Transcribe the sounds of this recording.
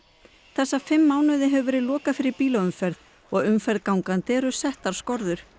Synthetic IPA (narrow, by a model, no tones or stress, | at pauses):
θɛsːafɪmːaːwnʏðɪɦɛvʏvɛːɾɪðlɔːkafɪɾɪɾpiːlaʏmfɛɾð | ɔɣʏmfɛɾðkawŋkant̪ɛːɾʏsɛht̪aɾ̥skɔɾðʏɾ̥